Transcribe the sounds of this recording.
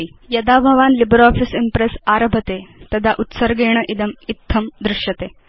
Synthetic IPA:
jɐd̪abʱɐʋaːnlibɾɔːfisimpɾesaɾɐbʱɐt̪et̪ɐd̪ʱaʔut̪səɾɡeːɳ̃əʔid̪ɐmit̪ʰːɐmd̪ɾɪʂjɐt̪e

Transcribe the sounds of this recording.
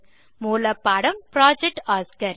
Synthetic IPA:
muːlɐpːɐɽɐmpɾaːd͡ʒɛk̚ʈaːskɐɾ

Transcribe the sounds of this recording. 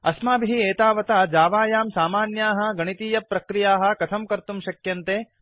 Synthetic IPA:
ɐ̰smaːbʱiɦieːt̪aːʋɐt̪ad͡ʒaːʋaːjaːmsaːmaːnjaːɦɐ̆ɡɐɳ̃it̪iːjɐpɾɐkɾijaːɦɐ̆kɐt̪ʰɐmkɐɾt̪umʃɐkjɐnt̪eː

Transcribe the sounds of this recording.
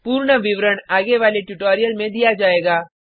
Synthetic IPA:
puːɾɳəʋɪʋɾəɽaːɡeʋaːleʈʊʈoːɾijəlmẽd̪ijad͡ʒaːeːɡaː

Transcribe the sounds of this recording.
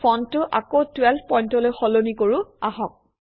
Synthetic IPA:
ɔntːʊʔa̰kotwɛlbʰpɔjntɔlojxɔlonikoɹʊaɦɔk̚

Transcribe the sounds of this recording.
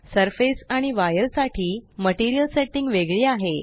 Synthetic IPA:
səɾfesaɽ̃iʋajəɾsaʈʰiːməʈiɾijəlseʈiŋɡʋeɡɭiːaɦe

